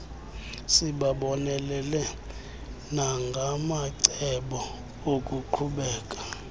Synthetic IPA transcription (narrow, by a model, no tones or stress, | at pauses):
siɓaɓɔnɛlɛlɛ | naŋɡʱamaǀɛɓɔ | okʼuǃʰuɓɛːkʼḁ